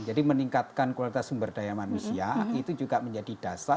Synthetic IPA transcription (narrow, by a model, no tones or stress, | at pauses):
d͡ʒadiməniŋkat̪̚kankwalit̪asumbərdajamanusiait̪ud͡ʒuɡaməɲd͡ʒadid̥asa